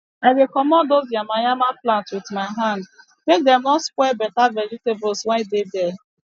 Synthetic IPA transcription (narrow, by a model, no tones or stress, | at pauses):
aɪɡekɔmɔdozjamajamaplãntwɪtmaɪɦãnd | mek̚dɛmɔskʷwɛbɛtavɛd͡ʒitebʊlswɛ̃ndedɛ